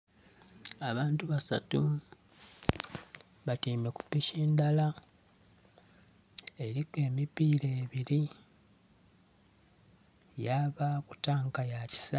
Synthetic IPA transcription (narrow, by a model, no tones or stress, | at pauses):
aβaːntuβasa̰tu | βatiːmeku̥pːiʃeːndala | e̞ɾike̞ːmipiːɾe̞ːβiɾi | jaβaku̥taːŋkajaci̥sa